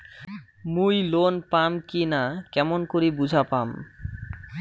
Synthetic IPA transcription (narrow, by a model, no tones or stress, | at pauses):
mujlonpamkinakɛmonkoɾibud͡ʑʱapam